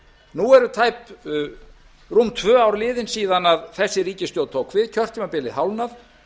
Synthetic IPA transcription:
nuɛɾʏt̪ʰaːjp | rumt̪ʰvœːawɾlɪːðɪnsiːðanaðθɛsːɪɾiːcɪst̪jowð̚t̪ʰowkvɪðcʰœr̥t̪ʰimapɪlɪɦawlnaθ

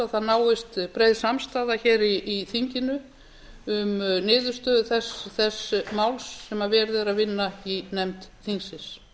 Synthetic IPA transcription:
aθaðnaːwɪst̪pɾeːjðsamst̪aːðaçɛːɾiːθiɲcɪnʏ | ʏmnɪːðʏɾ̥st̪œːðθɛsθɛsmawlsːɛmavɛːɾðɛɾaðvɪnːainɛmt̪θiŋsɪs

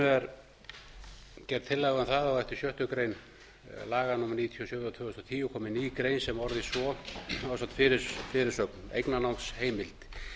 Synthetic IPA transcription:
ʏɛɾ | cɛrt̪ʰːɪlːaɛɣɛmθaðawɛht̪ɪ̥sjœht̪ʏkɾejn | laːɣanʊmɛɾniːt̪ʰjiɔsjœːvɾat̪ʰvœːɣhʏst̪ɔt̪ʰiːjʏkʰɔːmɪniːkɾejnsɛmɔɾðɪsɔawsat̪fɪɾɪɾfɪɾɪɾ̥sœknejknanawnsheːjmɪlt̪

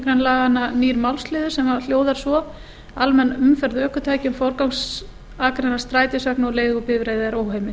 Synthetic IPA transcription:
kɾenlaːɣananiːɾmawlslɪːðʏ̥sɛmal̥joːwðaɾ̥svɔ | almɛnːʏmfɛɾðœːhkʏt̪ʰaːjcʏmfowɾkawŋs | aːkɾenḁst̪ɾaːjt̪ɪsœhknɔleːjɣʏpɪːvɾeːjðaɛɾoːwɦejmɪ

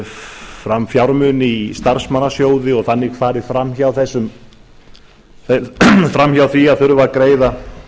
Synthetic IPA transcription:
fɾamfjawɾmʏnɪist̪aɾ̥smanːasjoːwðɪɔɣθanːɪkʰfaːɾɪfɾamçawθɛsːʏm | θɛfɾamçjawθviaðθfʏɾʏvakɾeːjða

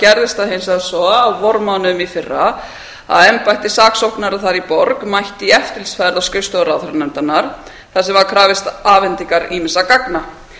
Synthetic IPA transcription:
cɛɾðɪst̪aðɦejnsaðsɔːwvɔɾmanʏmifɪrːa | a̰ðɛmpajht̪ɪsaːksowhknaɾaθaɾipɔɾkmajht̪iɛft̪ɪlsfajɾðawskœɥst̪oɾaðfɾɛnant̪anaɾ̥ | θasɛmvaɾkʰɾaːvɪst̪aːvɛnt̪iŋkaɾimɪsakakna

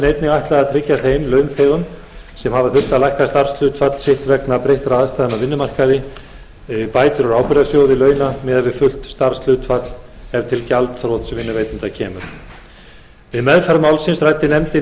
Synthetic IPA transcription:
nejt̪nɪɣajht̪laɣaðt̪ʰɾɪcːaθejmlœːɥnθɛːɣʏn | sɛmhavaθʏl̥t̪aðlajhkast̪aɾ̥sl̥ʏːt̪fat̪l̥sɪht̪vɛknapɾejht̪ɾaaðst̪ajðɛnːavɪnːʏmar̥kaðɪ | paːjt̪ʏɾɔɾaːwpɪɾðasjoːwðɪlœːɥnamɛːðavɪðfʏl̥t̪st̪aɾ̥sl̥ʏːt̪fat̪l̥hɛvt̪ʰɪlcalt̪θɾɔːt̪svɪnːʏveːjt̪nɪnt̪acʰɛːmʏɾ | vɪðmɛðfaɾmawlsɪnsɾajt̪ːɪnɛmt̪ɪ

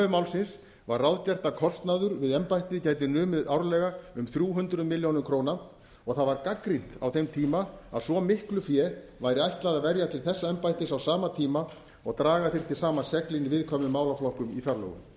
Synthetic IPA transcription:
vʏmaːwlsɪns | varːawðcar̥t̪akʰɔst̪naðʏɾvɪðɛmpajht̪nɪcaːjt̪̬ɪnʏːmɪðawɾlɛɣaʏmθɾʲjuːɦʏnt̪ɾʏmɪljownʏmkʰɾowna | ɔɣθaðvaɾkakɾin̥t̪a̰wθejmt̪ʰiːmaa̰ðsvɔmɪhklʏfjɛ | vajɾɪajht̪laðavɛɾjat̪ʰɪlθɛsːaɛmpajht̪ɪsawsaːmat̪ʰiːma | ɔɣt̪ɾaːɣaθɪɾ̥t̪ʰɪlsaːmasɛklinɪvɪðkʰɔːmʏmaːwlaflɔhkʏmifjaɾlɔ̰ɣʏ̰m

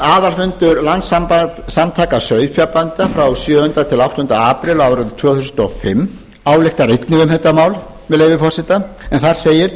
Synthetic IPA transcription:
aːðalfʏnt̪ʏɾlant̪sampasamt̪ʰaːkasœɥðfjapant̪afɾawsjœːʏnt̪at̪ʰɪlawht̪ʏnt̪aaːpɾɪlawɾaðɪt̪ʰv̥œːwθus̬nt̪ɔ̰fɪmː | aːwlɛxt̪aɾejt̪nɪðʏmhɛt̪amaːwl | mɛðlejvɪfɔr̥sɪt̪aɛnθaɾ̥seːjɪɾ̥

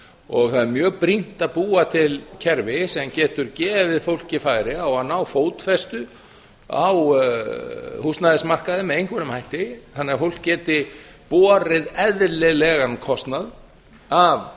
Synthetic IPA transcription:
ɔɣθaðɪɾmjœːɣpɾin̥t̪aðpuːat̪ʰɪlcʰɛɾvɪsɛmcɛːt̪ʏɾcɛːðavɪðfowl̥cɪfaːjɾɪawaðnaːwfoːwt̪fɛst̪ʏ | a̰w | hust̪naðɪsmar̥kaðɪmɛðejŋkʰvɛɾʏmhajht̪ɪθanːɪːɣafowl̥kcːɛːt̪ɪ | pɔːɾɪðɛðlɪlɛɣankʰɔst̪nað | av

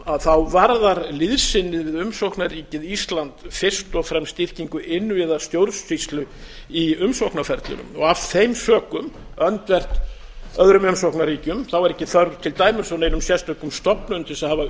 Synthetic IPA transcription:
aðθawvaɾðaɾlɪðsɪnːɪðvɪðʏmsowhknariːcɪðist̪lant̪fɪrst̪ɔɣfɾɛmst̪ɪr̥ciŋkʏʔɪnːʏɛðḁst̪jowɾsfist̪lʏiʏmsowhknafɛɾt̪lʏ̰nʏ̰mɔɣafθejmsœːkʏm | œnt̪vɛr̥t̪ | œðɾʏmʏmsowhknaɾiːcʏmθawaɾɛcːɪθœɾðt̪ʰɪlt̪aːjmɪsɔnenʏmsjɛst̪œkʏmst̪ɔpnʏʏnt̪ʰɪsɛðhava

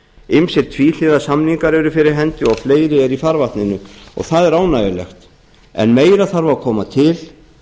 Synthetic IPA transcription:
ɪmsjɛɾ̥t̪ʰvil̥ɪðasamniŋkaɾɛɾʏfɪɾɪɾ̥ɦɛnt̪ʏɔɣfleːjɾɪɛɾifaɾvaht̪nɪnʏɔ̰ɣθaðɛɾaːwnaːjɪlɛ̰xt̪ | ɛ̰nmeːjɾaθaɾvakʰɔːmat̪ʰɪl

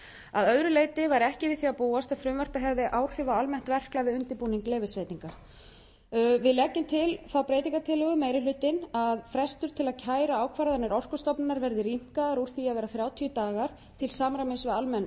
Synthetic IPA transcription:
a̰ðœðɾʏleːjt̪ɪvaɾɛhcɪvɪðθiapuːast̪aðfɾʏmvœr̥pɪɦɛvðɪʔaːwr̥r̥ʏvaalmɛn̥t̪vɛr̥klavɪðʏnt̪ɪpuːniŋkleːvɪsveːjt̪iŋka | vɪðlɛcːʏmt̪ʰɪlθawpɾeːjt̪iŋkat̪ʰɪlʏɣʏmeːjɾɪlʏːt̪ɪnaðfɾɛst̪ʏɾ̥t̪ʰɪlaðcʰaːjɾaaːwkʰvaɾðaɾnɪɾɔr̥kʏst̪ɔpnnaɾvɛɾðɪɾim̥kaðaɾuɾ̥θiaðvɛːɾaθɾjaːwt̪ʰiʏt̪aːɣaɾ̥ | t̪ʰɪlsaːmɾamɪnsvɪðalmɛnː

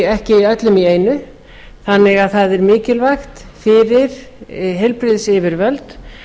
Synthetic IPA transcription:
ɛhcɪiœt̪lʏmieːjnʏ | θanːɪɣaðθaðɛɾmɪːcɪlvaxt̪ | fɪɾɪɾ̥ɦɛjlpɾɪðsɪvɪɾvœlt̪

